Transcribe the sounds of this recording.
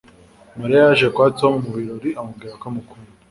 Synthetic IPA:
maɾiaʒekwatomumuβiɾoɾiamuɡiɾakamukʰundi

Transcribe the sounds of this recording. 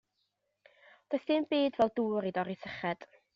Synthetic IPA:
d̥oːθɪmbiːdvɛlˠduːɾidɔɾiθəχɛd̥

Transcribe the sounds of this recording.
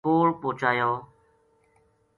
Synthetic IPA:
oːɭpoːt͡ʃaːjoː

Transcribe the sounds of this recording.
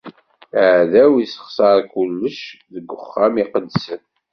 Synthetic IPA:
əʕðæwisə̥χsɑɾˤkʊlːəʃ | ðəɡʷːʊχːæmiqəd̪sən

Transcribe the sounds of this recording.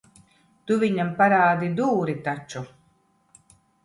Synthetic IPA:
t̪uvʲiɲampaɾaːd̪id̪uːɾit̪at͡ʃu

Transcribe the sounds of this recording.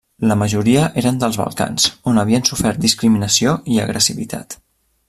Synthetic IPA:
ləməʒuɾiəʔeɾənd̪əlˠzβə̰lˠka̰nz̥onəβ̞iənsufɛɾt̪̚d̪iskɾiminəsioiə̰ɣɾʔəsiβḭt̪ʰa̰t̪

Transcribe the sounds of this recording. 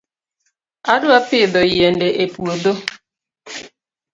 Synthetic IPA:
adʊapɪdɔijen̩deʔepuodo

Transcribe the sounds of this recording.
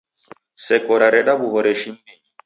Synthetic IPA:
sɛkɔɾaɾɛɗabuɦɔɾɛʃimbɛɲ

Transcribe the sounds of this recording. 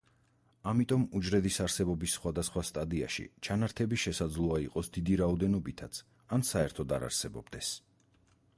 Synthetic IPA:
amit̪ʼɔmud͡ʒɾɛd̪isaɾsɛbɔbisːχwad̪asχwast̪ʼad̪ia̰ʃḭt͡ʃʰanaɾt̪ʰɛbiʃɛsad̪zlˠɔaiqʼɔsd̪id̪iɾaɔd̪ɛnɔbit̪ʰat̪sʰ | ansaɛɾt̪ʰɔd̪a̰ɾa̰ɾsɛbɔ̰bd̪ɛs

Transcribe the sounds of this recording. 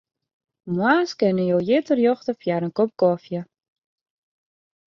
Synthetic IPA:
mwaːskɪnəjoːjɪtərjoxtəfjaɾənkop̚kɔfjə

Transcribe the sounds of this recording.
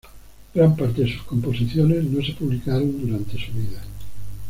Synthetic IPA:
ɡ̥ɾampaɾt̪eðesu̥skompo̞siθjone̞znosepuβlikaɾond̪uɾant̪e̞suβiða

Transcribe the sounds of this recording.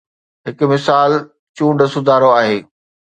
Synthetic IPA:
ɦɪkʊ̆mɪsaːl | t͡ɕũːɳɖsʊd̪ʱaːɾoaːɦeː

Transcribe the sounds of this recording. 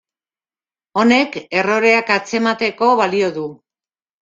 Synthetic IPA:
o̞ne̞ke̞ro̞ɾe̞akat͡se̞mat̪e̞ko̞βalio̞ðu

